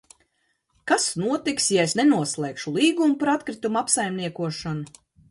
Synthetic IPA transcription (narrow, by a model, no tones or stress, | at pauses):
kasnuɔt̪iksjaesnenuɔslˠɛːkʃulˠiːɡumupaɾat̪kɾit̪umuapsajmniɛkuɔʃanu